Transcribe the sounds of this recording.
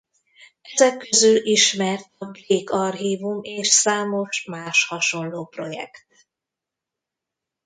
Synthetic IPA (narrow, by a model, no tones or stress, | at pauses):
ʔɛzɛkːøzyliʃmɛrt̪ɒbleːkɒrɦiːvumeːʃsaːmo̞ʃmaːʃhɒʃo̞nloːpro̞jɛ̰kt̪